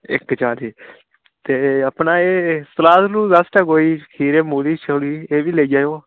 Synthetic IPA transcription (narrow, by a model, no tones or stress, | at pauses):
ɪ̰kːd͡ʒaːɾiː | t̪eːəpnaːeːsəlaːzlũːd̪əsʈəkoːiːkʰiːɾeːmuːliːt͡ʃʰəliːeːʋiːleiːd͡ʒaːjoː